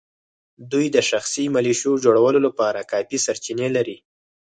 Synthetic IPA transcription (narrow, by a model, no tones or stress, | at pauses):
d̪ujd̪əʃaxsimaliʃod͡ʒoɽawəlolapɑɾakɑpisaɾt͡ʃinelaɾi